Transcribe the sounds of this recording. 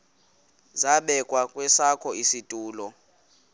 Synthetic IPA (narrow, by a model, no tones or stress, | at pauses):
zaɓɛkʼwakʼwɛsakʰɔisitʼuːlɔ